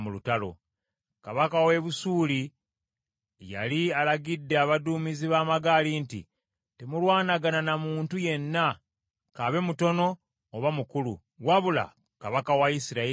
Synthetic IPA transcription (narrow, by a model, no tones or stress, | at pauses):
mulutalo̞̰ | kaβakawe̞βusuːli | ja̰lialaɡidːeaβaduːmiziβaːmaɡalintḭ | te̞mulwaːnaɡananamuːntuje̞nːa | kaβe̞muto̞no̞ː | βamukulṵ | waβula̰ | kaβakawaisiɾae